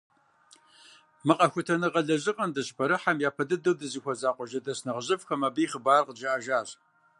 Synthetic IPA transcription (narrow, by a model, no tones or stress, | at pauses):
mɨqɐxʷʊtʰɐnɨʁɐɮɐʑɨqʼɐndɐɕpʰɐɾɨħamjaːpʰɐdɨdɨwdɨziːxʷɔzaːqʷɔʒɐdɐsnɐʁʑɪfxɐmɐbiːχəbaːrqəd͡ʒɐʔaʒaːɕ